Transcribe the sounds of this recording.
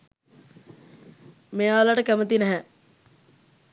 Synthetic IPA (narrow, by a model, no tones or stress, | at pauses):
mealaʈəkæmət̪inæɦɛ